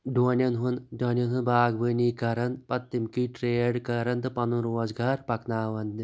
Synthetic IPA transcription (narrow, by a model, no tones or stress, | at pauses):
ɖoːnʲjɐnɦunɖoːnʲjɐnɦɨnbaːɡʋəniːkɐɾɐnd̪pɐt̪ːimkiːʈɾeːɖkɐɾɐnt̪ɨpɐnunɾoːzɡaːɾpɐknaːʋɐnd̪